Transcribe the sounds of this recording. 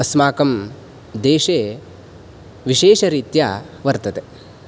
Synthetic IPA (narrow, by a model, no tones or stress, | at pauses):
ɐsmaːkɐm | d̪eːʃeː | ʋiʃeːʃɐɾiːt̪ja | ʋɐɾt̪ɐt̪e